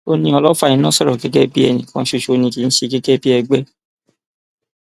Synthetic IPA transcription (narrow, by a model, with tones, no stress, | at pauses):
o˦nĩ˧ɔ˧lɔ˦fa˦˨ĩ˧˦nã˦sɔ˦˨ɾɔ˨ke˦kɛ˦bi˦ɛ˦˨nĩ˨kã˧˦ʃo˦˧ʃo˧˦nĩ˧ki˨˦ñ̩˦ʃe˧ki˦kɛ˦bi˦ɛ˧ɡ͡bɛ˦